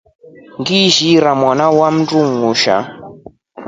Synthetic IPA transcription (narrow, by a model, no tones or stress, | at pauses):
ŋɡiʒiɾamwanawam̩duŋuʃa̰